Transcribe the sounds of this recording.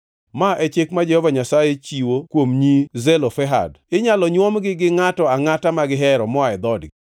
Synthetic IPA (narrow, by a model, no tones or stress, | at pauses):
maʔɛt͡ʃɪkmad͡ʒɛhɔvaɲasajet͡ʃiwokwomɲizɛlɔfɛɦa̰d | ɪɲalɔɲwɔmɡɪɡɪŋatɔaŋatamaɡɪɦɛɾɔmɔaɛd̪ɔdɪ̰